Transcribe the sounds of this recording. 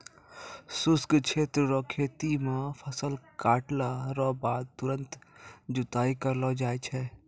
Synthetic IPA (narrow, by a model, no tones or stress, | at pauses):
sʊskt͡ʃʰeːt̪ɾəɾɔːkʰeːt̪imãpʰəsəlkaːʈlaɾɔːbaːd̪̚t̪ʊɾə̃nt̪d͡ʒʊt̪aːikəɾlɔd͡ʒaːet͡ʃʰɛː